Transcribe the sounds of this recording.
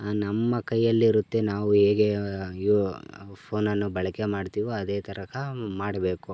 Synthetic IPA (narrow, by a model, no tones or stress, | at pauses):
nɐmːɐkɐjːɐlːiːɾut̪ːenaːʋuɦeːɡe̞i | pʰoːnɐnːubɐɭɐkemaːɖt̪iːʋoɐd̪e̞ːt̪ɐɾɐkʰɐmaːɽɐbe̞ːku